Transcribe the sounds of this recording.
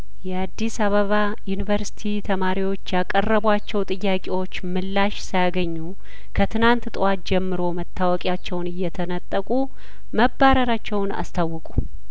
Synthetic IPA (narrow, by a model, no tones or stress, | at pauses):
jɛad̪ːisaβəβa | junɨvəɾsi̥t̪ʰit̪ʰəmaɾiwo̞t͡ʃːjakʼərːəβwat͡ʃːɛwt̪ʼɨjːakʼewo̞t͡ʃːmɨlːaʃsəjaɡəɲːu | kʰət̪ʰɨnant̪t̪ʼwat̪d͡ʒɛmːɨɾo̞mət̪ʰːawɔkʼjat͡ʃːɛwnɨjːɛt̪ʰənət̪ʼːəkʼu | məbːaɾəɾat͡ʃːɛwna̰st̪ʰawːɨkʼu